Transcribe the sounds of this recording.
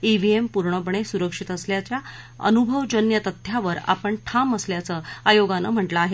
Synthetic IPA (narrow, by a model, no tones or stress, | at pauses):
ibʱiempuɾɳəpɳ̃esuɾəkʂit̪əsljat͡ɕja | ə̰nubʱəʋd͡ʑənjət̪ət̪ʰːjaʋəɾa̰pəɳʈʰaməsljat͡səːajoɡanə̰m̤əʈləaɦe